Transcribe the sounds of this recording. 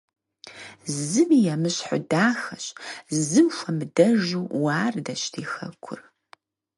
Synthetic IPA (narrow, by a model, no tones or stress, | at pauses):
zɨmijɛmɨɕħʊ̰daːxɐɕzɨmfʷɐmɨdɐʒuːwaːrdɐɕtʰiːxɐ̰kʷʰʊ̰r